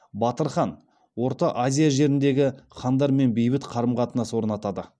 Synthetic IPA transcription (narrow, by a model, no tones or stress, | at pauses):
bɑt̪əɾχɑn | wo̞ɾt̪ɑʔazʲijaʒe̞ɾɪnd̪e̞ɡʲɪχɑnd̪ɑɾme̞nbejbɪt̪qʰɑɾəmqɑt̪ənɑso̞ɾənɑt̪ɑd̪ə